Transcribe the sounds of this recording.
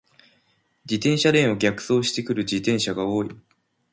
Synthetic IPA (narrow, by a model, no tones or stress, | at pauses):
d͡ʑit̪ẽ̞ɰ̃ɕaɾẽ̞ɰ̃o̞ɡʲakɯ̟̥so̞ːɕi̥t̪e̞kɯ̟ɾɯ̟d͡ʑit̪ẽ̞ɰ̃ɕaɡao̞ːi